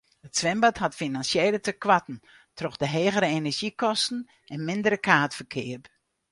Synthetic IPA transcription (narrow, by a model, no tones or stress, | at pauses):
ətsʋɛmbathatfinansjeːlətəkʋatn̩ | trɔxdəɦeːɣəɾəenɛʒikɔstn̩ | ɛnmɪndəɾəkʰaːtfərkʰɪərp